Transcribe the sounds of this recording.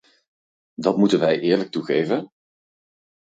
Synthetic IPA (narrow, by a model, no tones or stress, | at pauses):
dɑtmutənʋɛjʔɪːɹlək̚tuχejvən